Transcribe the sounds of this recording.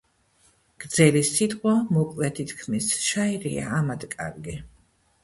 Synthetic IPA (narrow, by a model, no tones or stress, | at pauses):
ɡ̥d̪z̥ɛlisit̪ʼqʼwamɔkʼlɛt̪ʰit̪ʰkʰmisʃaiɾḭa̰ːmad̪kʼa̰ɾɡi